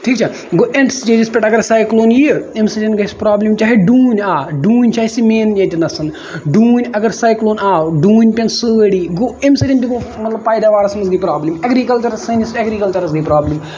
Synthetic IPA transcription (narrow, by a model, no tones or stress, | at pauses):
ʈʰiːk̚t͡ʃʰɐ | ɡoʔeɳʈst͡ʃeːd͡ʒispʲeʈɐɡɐɾsaːjkloːnjiemsɐtʲɐnɡɐspɾaːblimt͡ʃaːɦeɖuːnʲaːɖuːnʲt͡ʃaːisimeːnd͡ʒɐt̪inɐsɐn | ɖuːnʲɐɡɐɾsaːjkloːnaːɖuːnʲpʲɐnsɨɽiːɡoemsɐd͡ʒʲɐnt̪iɡomɐt̪lɐb̚paːjd̪aːʋaːɾsɐmɐzɡɐːpɾaːblimɐɡɾiːkɐlt͡ʃɐɾɐsɐnisɐɡɾiːkɐlt͡ʃɐɾɐsɡɐipɾaːblim